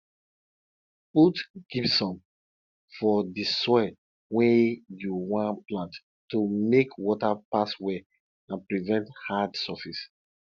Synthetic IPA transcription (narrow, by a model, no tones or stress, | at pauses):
utɡ̥ipsɔ̃n | fɔdisɔɛ | wɛjuwãnplãnt | tːumekwɔtapaswɛ | ãnpɹivɛ̃nthadsɔfis